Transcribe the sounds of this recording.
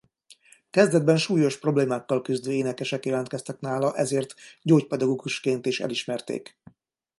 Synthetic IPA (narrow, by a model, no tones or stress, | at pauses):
kɛzd̪ɛd̪̚bɛnʃuːjo̞ʃpro̞bleːmaːkːɒlkyzd̪øːeːnɛkɛʃɛkjɛlɛnt̪kɛst̪ɛknaːlɒʔɛzeːrt̪ɟoːcpɛd̪ɒɡoːɡuʃkeːnt̪eːʃɛ̰liʃmɛrt̪ḛːk